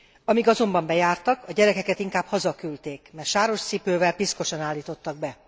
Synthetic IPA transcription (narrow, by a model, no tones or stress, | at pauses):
ɒmiɡɒzo̞mbɒmbɛjaːrt̪ɒkʰɒɟɛɾɛkɛkɛt̪iŋkaːbhɒzɒkylt̪eːkmɛrʃaːɾo̞ʃt̪sipøːvɛlpisko̞ʃɒnaːlːiːt̪o̞t̪ːɒɡ̚bɛ